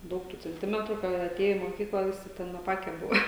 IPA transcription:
ˈdɐʊk tuː t͡sʲɛnʲˈtʲɪmʲɛtrʊ kɐɪ jɛʊ ɐˈtʲeːjɛ iː moːˈkʲiːklˠɐ ˈʋʲɪsʲɪ ˈtʲɛn ɐˈpɑːkʲɛ ˈbʊʋoː

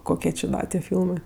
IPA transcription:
ˈkoːkʲiɛ t͡ʃʲɪ ˈdɐ tʲiɛ ˈfʲiːlˠmɜ

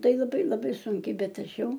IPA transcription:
ˈtɐɪ lˠɐˈbɐɪ lˠɐˈbɐɪ ˈsʊŋʲkʲɛɪ ˈbʲɛt ˈɐʃ ˈjɛʊ

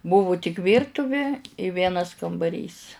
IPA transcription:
ˈbʊʋʊ tʲɪk ˈʋʲiːrtʊʋʲɪ ɪ ˈʋʲiɛnɐs kɐmbɐˈrʲiːs

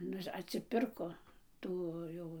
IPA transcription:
ˈnʊ ɐtʲsʲɪˈpʲɪrkoː ˈtuː ˈjɛʊ

